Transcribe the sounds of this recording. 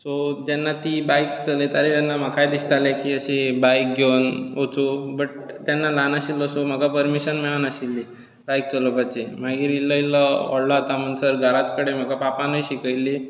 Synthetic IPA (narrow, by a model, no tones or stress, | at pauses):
sod͡ʑanːat̪iːbajkst͡səlet̪aɾit̪janːam̤akʰajd̪ist̪alẽkiːəɕibajk̚ɡʱewnot͡sobəʈ̚ | t̪janːalanəɕilːɔsom̤əɡapəɾmiɕənmɛɭanaɕilːi | bajk̚t͡səlopat͡ɕim̤aɡiɾilːəiləɔ̰ɽlɔat̪am̤əɳsəɾɡʱəɾat̪kəɽem̤əɡapapanəjɕikəjlːi